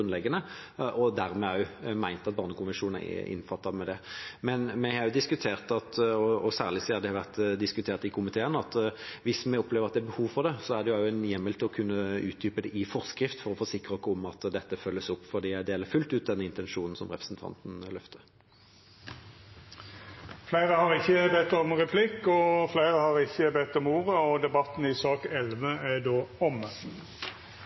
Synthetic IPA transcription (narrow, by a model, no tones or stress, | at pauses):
ʉnlɛɡːənəʔɔd̪æʁmɛmæɪnt̪ɑt̪̚bɑːʁnəkʊnʋɛnʂuːnn̩æ̰ʔɪ̰nfɑt̪ːɑʋmɛd̪ɛmɛnmɛhɑɾjʊd̪ɪskʉt̪ʰeːʁt̪ɑt̪ɔɔsæːʁlɪsæɑd̪ɛhɑʋæʁt̪d̪ɪskʉt̪ʰeːʁt̪ɪkʰʊmɪt̪ʰeːənɑt̪ʋɪsmɛɔpleːʋəʁɑt̪d̪ɛæbəhuːʋfɔʁd̪ɛsɔæd̪ɛjʊɑjʊɛnjɛmːəlt̪ʰɪlɔkʰʉnːəʉːt̪̚d̪yːpəd̪ɛʔɪfɔʁskɾɪft̪fɔɾɔfoːsɪkɾəɔkːəɔmɑt̪d̪ɛt̪ːəfœlːəsɔpːfɔd̪iːæɪd̪eːləɾfʉlt̪ʉːt̪̚d̪ɛnːəɪnt̪ɛnʂuːnn̩sɔ̰mʁɛpɾəsn̩t̪ʰɑ̰nt̪n̩lœft̪ʰə | flæɪʁəhɑʁɪçːəbɛt̪ːɔmʁɛpʰlɪkːɔflæɪʁəhɑʁɪçːəbɛt̪ːɔmuːʁəɔd̪ɛbɑt̪n̩ɪsɑːkɛlʋəæd̪oːɔm